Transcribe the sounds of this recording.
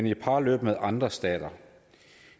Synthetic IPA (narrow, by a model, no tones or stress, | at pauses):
nipʰɑ̈ːlø̰ːb̥meðˠʔɑ̈nd̥ʁɐsd̥ɛ̰ːd̥ɐ